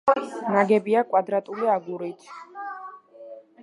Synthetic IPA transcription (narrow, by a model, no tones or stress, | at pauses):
naɡɛbiakʼwad̪ɾat̪ʼuliaɡuɾit̪ʰ